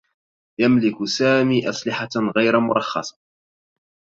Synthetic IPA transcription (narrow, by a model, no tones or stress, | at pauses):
jamlɪkʊsaːmiːʔasˤlɪħaɣajɾmʊɾˤɑxːɑ̰sˤɑ̥